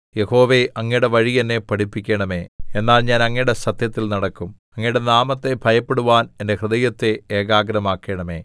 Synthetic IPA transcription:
je̞ho̞ːʋe̞ɐŋːɐɽeʋɐɻiɐnːe̞pɐʈipːikʲːeɳɐme̞ːenːaːlɲaːnɐŋːɐɽe̞sɐt̪jɐt̪ːilnɐɽɐkːum | ɐŋːɐiɽe̞naːmɐt̪ːe̞bʱɐjɐpːe̞ɽuʋaːnende̞krɨd̪ɐjɐt̪ːe̞eːɡaːɡɐɾɐmaːkːeɳɐme̞̰ː

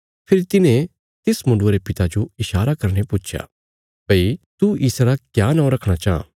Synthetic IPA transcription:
pʰɪɾit̪ɪnẽ | t̪ɪsmʊ̃ɳɖoɾepɪt̪ad͡ʒoɪʃaːɾakɐɾñepʊt͡ʃʰja̰ː | bɐit̪uiːsaɾakjaːnɔ̃ːɾɐkʰɽ̃at͡ʃaːã̰ː

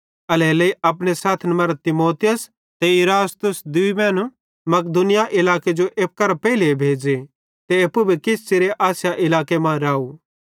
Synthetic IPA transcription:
ɐleːleiɐpɽ̃esaːt̪ʰnɐmɐɾt̪ɪmoːt̪ɪjəs | t̪ɛɪɾaːst̪ʊsd̪ʊimɛ̃ːn | mɐk̚d̪ʊnɪjaʔɪlaːked͡ʒoʔeːp̚kɐɾpɛːilibʱeːd͡ʒe | t̪eɐpːubʱikɪst͡ʃeɾeʔaːsjaʔɪlaːkemãɾaːu

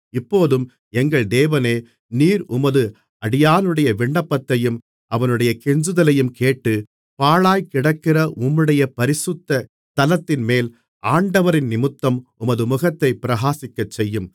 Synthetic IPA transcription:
ɪpːoːðɯm | ɛŋɡɐɭd̪eːʋɐneː | niːɾʔʊmɐðɯ | ɐɽɪjaːnɯɽɐjɐʋɪɳːɐpːɐt̪ːɐjɯm | ʔɐʋɐnɯɽɐjɐkɛɲd͡ʒɯðɐlɐjɯmkeːʈːɯ | paːɭaːjkɪɽɐkːɪrɐʔʊmːɯɽɐjɐpɐɾɪsɯt̪ːɐ | t̪ɐlɐt̪ːɪnmeːl | aːɳɖɐʋɐɾɪnnɪmɯt̪ːɐmʊmɐðɯmʊɣɐt̪ːɐɪpːɪɾɐɣaːsɪkːɐt͡ʃːɛjːɯm

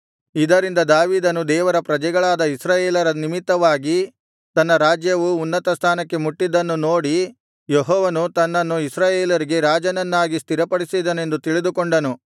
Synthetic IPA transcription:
id̪ɐɾind̪ɐd̪aːʋiːd̪ɐnud̪ɛːʋɐɾɐpɾɐd͡ʒɛɡɐɭaːd̪ɐisɾaːjeːlɐɾɐnimit̪ːɐʋaːɡi | t̪ɐnːɐɾaːd͡ʒjɐʋuːnːɐt̪ɐst̪ʰaːnɐkːe̞muʈːid̪ːɐnːuno̞ːɽi | jeɦɔːʋɐnut̪ɐnːɐnːuisɾaːjeːlɐɾiɡe̞ɾaːd͡ʒɐnɐnːaːɡist̪iɾɐpɐɽisid̪ɐne̞nd̪ut̪iɭid̪ukoɳɖɐnu

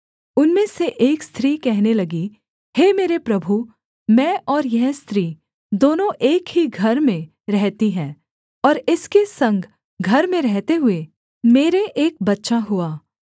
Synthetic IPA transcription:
ʊnmẽseʔeːkst̪ʰɾikɛɦnelɐɡi | heːmeːɾepɾɐbʱu | mɛ̃ːʔɔːɾjɛɦst̪ɾiː | d̪oːnõʔeːkɦiɡʱɐɾmẽ | ɾɛɦt̪iɦɛ̃ː | ɔːɾɪskesɐ̃ŋɡ | ɡʱɐɾmẽɾɛɦt̪eɦʊe | meːɾeʔeːk̚bɐtːʃaɦʊaː

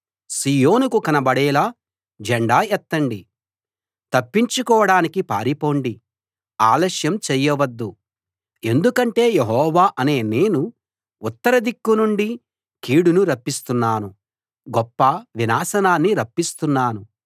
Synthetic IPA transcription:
siːjo̞ːnukukɐnɐbɐɽɛːlaː | d͡ʒɛɳɖaːɛt̪ːɐɳɖi | t̪ɐpːiɲt͡ʃukɔːɐɽaːnikipa̰ːɾipo̞ːɳɖi | aːlɐʃjɐmt͡ʃɛjːɐʋɐd̪ːu | e̞nd̪ukɐɳʈe̞ːjeɦɔːʋaːʔɐne̞ːne̞ːnuː | t̪ːɐɾɐd̪ikːunuɳɖi | kiːɽunuɾɐpːist̪unːaːnu | ɡɔpːɐʋinaːsɐnaːnːiɾɐpːist̪unːaːnu

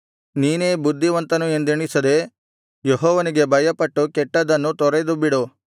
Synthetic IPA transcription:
niːne̞ːbud̪ʱːiʋɐnt̪ɐnue̞nd̪eɳisɐd̪e̞ | jeɦɔːʋɐniɡe̞bʱɐjɐpɐʈːukɛʈːɐd̪ɐnːut̪ɔɾed̪ubiɽu

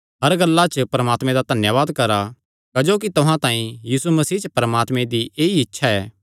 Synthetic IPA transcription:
ɦɐɾɡɐlːat͡ʃpɾɐmaːt̪mẽd̪ad̪ʱɐnjəʋaːd̪kɐɾa | kɐd͡ʒoːkit̪ʊɦãt̪ãːĩjiːsumɐsiːt͡ʃpɾɐmaːt̪mẽd̪iʔeːiɪtːʃʰaɛː

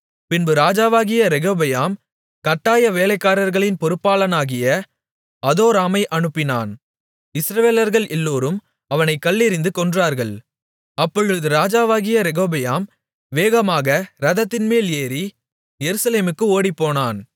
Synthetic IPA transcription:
pɪnbɯɾaːd͡ʒaːʋaːɣɪjɐɾɛɣoːbɐjaːm | kɐʈːaːjɐʋeːlɐɪkːaːɾɐɾɣɐɭɪnpɔɾɯpːaːlɐnaːɣɪjɐ | ɐðoːɾaːmɐɪʔɐnɯpːɪna̰ːn | ɪsɾɐʋeːlɐɾɣɐɭʔɛlːoːɾɯm | ɐʋɐnɐɪkːɐɭːɪɾɪnd̪ɯkɔndraːɾɣɐɭ | ɐpːɔɻɯɯðɯɾaːd͡ʒaːʋaːɣɪjɐɾɛɣoːbɐjaːm | ʋeːɣɐmaːɣɐɾɐðɐt̪ːɪnmeːleːɾi | jɛɾɯsɐleːmɯkːɯoːɽipːoːnaːn

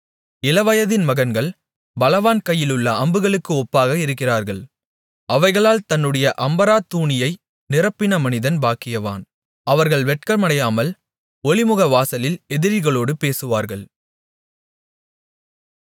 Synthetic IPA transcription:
ɪlɐʋɐjɐðɪnmɐɣɐnɡɐɭ | bɐlɐʋaːnkɐjːɪlɯɭːɐɐmbɯɣɐɭɯkːɯɔpːaːɣɐɪɾɯk̬ːɪraːɾɣɐɭ | ɐʋɐɪɣɐɭaːlt̪ɐnːɯɽɐjɐʔɐmbɐɾaːt̪ːuːɳɪjɐɪ | nɪrɐpːɪnɐmɐnɪðɐnbaːkːɪjɐʋa̰ːn | ɐʋɐɾɣɐɭʋɛʈ̚kɐmɐɽɐjaːmɐl | ɔɭɪmɯɣɐʋaːsɐlɪlɛðɪɾɪɣɐɭoːɽɯpeːsɯʋaːɾɣɐɭ

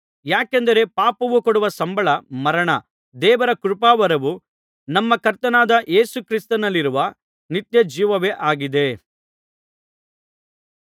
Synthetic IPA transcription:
jaːkend̪ɐɾe̞paːpɐʋukoɽuʋɐsɐmbʱɐɭɐmɐɾɐɳɐ | d̪ɛːʋɐɾɐkuɾupaːʋɐɾɐʋu | nɐmːɐkɐɾt̪ɐnaːd̪ɐʔeːsukɾist̪ɐnɐlːiɾuʋɐ | nit̪jɐd͡ʒiːʋɐʋeːʔaːɡid̪e̞

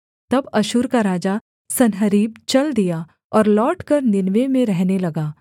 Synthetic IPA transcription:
t̪ɐbɐʃʊɾkaɾaːd͡ʒa | sɐnɦəɾiːb̚t͡ʃɐld̪ija | ɔːɾlɔːʈkɐɾnɪnʋemẽɾɛɦnelɐɡaː

